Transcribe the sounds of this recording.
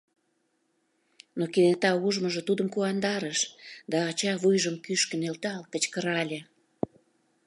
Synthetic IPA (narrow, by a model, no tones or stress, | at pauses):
nokinet̪ɑuʒmə̆ʒə̆t̪ud̪əmkuɑnd̪ɑɾəʃd̪ɑːt͡ɕɑβujʒəmkyʃkə̆nelt̪ɑlt̪ət͡ɕkəɾɑlʲĕ